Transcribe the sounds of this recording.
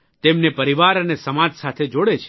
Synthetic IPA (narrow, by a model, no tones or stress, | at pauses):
t̪emnepəɾiʋaɾənesəmad͡ʒsat̪ʰed͡ʒoɽet͡ʃʰe̥